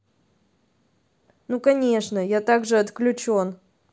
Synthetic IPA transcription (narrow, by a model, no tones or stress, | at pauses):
nukɐnʲe̞ʂnəjat̪aɡʐɨɐt̪klʲʊt͡ɕo̞n